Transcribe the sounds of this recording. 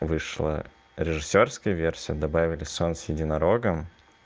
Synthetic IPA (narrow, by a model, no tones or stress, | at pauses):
vɨʂlˠə̰ | ɾʲɪʐɨsʲːorskəjəvʲersʲɪjəd̪ɐbavʲɪlʲɪsonsʲjɪdʲɪnɐɾoɡəm